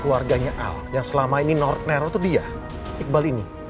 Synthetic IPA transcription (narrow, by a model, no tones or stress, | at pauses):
kluarɡaɲaʔa̰ljaŋsəlamaininɔrt̪̚neɾot̪udia | ik̚balini